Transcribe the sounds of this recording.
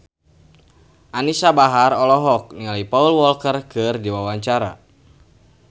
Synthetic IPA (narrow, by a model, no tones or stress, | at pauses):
ʔanisabaɦarɔlɔɦɔk̚nialaipaulwɔlkərkɨrdiwawaɲt͡ʃaɾa̰